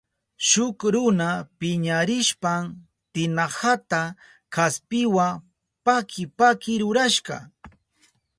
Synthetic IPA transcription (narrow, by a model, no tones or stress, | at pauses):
ʃʊkɾʊnapɪɲaɾɪʃpam | t̪ɪnahat̪a | kaspɪwa | pakʰɪpakɪɾʊɾaʃɢɑ̰